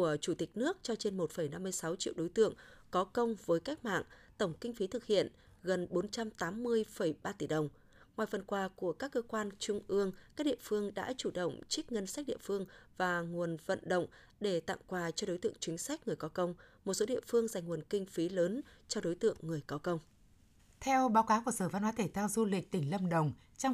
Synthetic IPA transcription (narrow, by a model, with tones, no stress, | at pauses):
u˧˩ət͡ɕu˧˩t̪ï˨˩k̟̚nɨ˦˥ək̚t͡ɕɔ˧t͡ɕe˧nmo˨˩t̚fə˧˩jna˧mːɨ˧əjsa˨˦wt͡ɕḭ˧˨wɗo˨˦jt̪ɨ̰˧˨əŋkɔ˨˦kə˧wŋ͡mvəː˨˦jka˦˥k̟̚ma̰ː˧˨ŋt̪ə˧˩wŋ͡mkï˧ŋ̟fi˨˦t̪ʰɨ˨˩k̚hḭ˧˨ən | ɣə˨˩nɓo˨˦nt͡ɕa˧mt̪aː˨˦mːɨ˧əjfə˧˩jɓaː˧t̪i˧˩ɗə˨˩wŋ͡m | ŋwaː˨˩jfə˨˩nkwaː˨˧˩ku˧˩əkaː˦˥kːəː˧kwaː˧nt͡ɕʊ˧ŋ͡mʔɨ˧əŋkaː˦˥k̚ɗḭ˧˨ə˨fɨ˧əŋɗa̰ː˧˥t͡ɕu˧˩ɗə̰˧˨wŋ͡mt͡ɕi˦˥k̚ŋə˧nsa˦˥k̟̚ɗḭ˧˨əfɨ˧əŋvaː˨˩ŋu˨˩ənvə̰˧˨nɗə̰˧˨wŋ͡m | ɗe˧˩t̪a̰˧˨ŋkwaː˨˩t͡ɕɔ˧ɗo˨˦jt̪ɨ̰˧əŋt͡ɕwï˨˦ŋ̟sa˦˥jk̟̚ŋɨ˨˩əjkɔ˨˦kə˧wŋ͡mmo˨˩t̚so˨˦ɗḭ˧˨əfɨ˧əŋza˨˩jŋ̟ŋu˨˩ənkï˧ŋ̟fi˨˦ləː˨˦nt͡ɕɔ˧ɗo˨˦jt̪ɨ̰˧˨əŋːɨ˨˩əjkɔ˨˦kə˧wŋ͡m | t̪ʰɛ˧wɓaː˨˦wkaː˨˦ku˧˩əsəː˧˩va˧nhwaː˨˦t̪ʰe˧˩t̪ʰɛ˧wzu˧lï˨˩k̟̚t̪ï˧˩ŋ̟lə˧mɗə˨˩wŋ͡m | t͡ɕɔ˧wŋ͡m